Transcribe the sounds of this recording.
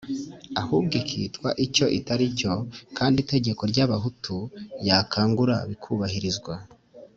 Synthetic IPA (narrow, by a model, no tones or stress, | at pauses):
ahubɡikʰḭːtkwaʔico̞ʔitaɾico̞kʰaːndite̞ɟe̞ko̞ɾɟaβaɦutʰujaːkʰaːŋɡuɾaβikʰuβahiɾizɡwa